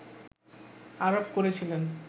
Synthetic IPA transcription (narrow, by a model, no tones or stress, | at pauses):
aɾopkoɾet͡ɕʰilen